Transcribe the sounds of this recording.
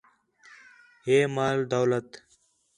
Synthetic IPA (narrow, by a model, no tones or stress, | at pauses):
heːmaːld̪ɐwlɐt̪